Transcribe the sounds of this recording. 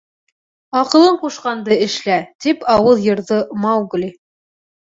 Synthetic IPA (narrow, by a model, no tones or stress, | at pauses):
ɑqɤ̆lˠɤɴquʃqɑnd̪ɤɘ̆ʃlæt̪ipɑwɤlˠjɤ̆ɾðɤmɑwɡli